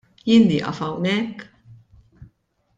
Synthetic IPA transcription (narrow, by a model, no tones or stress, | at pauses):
jɪːnːḭːʔɐ̰fɐwnɛkː